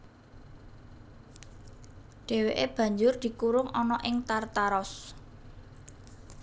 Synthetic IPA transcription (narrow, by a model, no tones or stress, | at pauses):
ɖ̥e̤weʔeb̥ä̤ɲd͡ʒʊrd̪̥i̤kuɾʊŋʔɔnɔʔɪŋt̪art̪aɾɔs